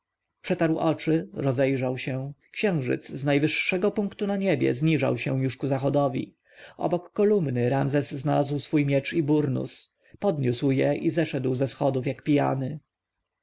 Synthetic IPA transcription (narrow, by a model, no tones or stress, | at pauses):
pʂɛt̪aɾwʔɔt͡ʂɘɾɔzɛjʐawɕɛ̃kɕɛ̃w̃ʐɘ̰t̪sznajvɘʂːɛɡɔpuŋkt̪unaɲɛbʲjɛ̰zɲiʐa̰wɕɛ̰w̃juʂkuzaxɔd̪ɔvʲḭ | ʔɔ̰bɔkːɔlumnɘɾamzɛzːnalazwsfujmʲjɛt͡ʂibuɾnṵs | pɔd̪ɲuswjɛʔizɛʂɛd̪wzɛsxɔd̪ufjakpʲija̰nɘ